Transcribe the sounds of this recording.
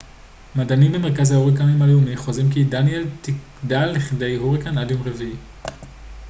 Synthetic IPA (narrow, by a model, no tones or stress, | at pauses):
madanimbeme̞ʁkazhauʁikanomaleumiχozimkidanjeltik | dalːiχide̞jɦuʁikanadjomʁevi